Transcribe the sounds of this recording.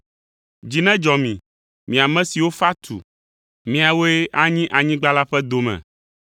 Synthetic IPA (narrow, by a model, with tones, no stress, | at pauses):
d͡ʑi˨nɛ̃˦d͡ʒɔ˨mĩ˨ | mĩ˨a˨mɛ̃˦si˨wo˦fa˦t̪ʰṵ˨ | mĩ˦a˨wo˦e˦ʔa˦ɲĩ˦ʔa˨ɲĩ˦ɡ͡ba˦la˦ɸɛ˦d̪o˨mɛ̰̃˨